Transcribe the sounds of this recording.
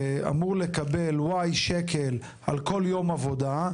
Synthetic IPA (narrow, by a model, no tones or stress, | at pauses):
ea̰muʁle̞kabe̞lwajʃekʰel | ʔalko̞ljo̞mavo̞d̪a